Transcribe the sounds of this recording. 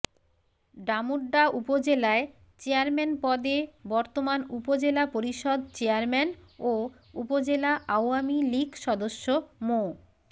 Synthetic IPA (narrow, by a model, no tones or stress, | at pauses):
ɖamuɖːaupod͡ʑelae | t͡ɕeaɾmenpɔd̪ebɔɾt̪omanupod͡ʑelapoɾiʃɔd̪t͡ɕeaɾmɛno | upod͡ʑelaʔawamiliɡʃɔd̪oʃːomo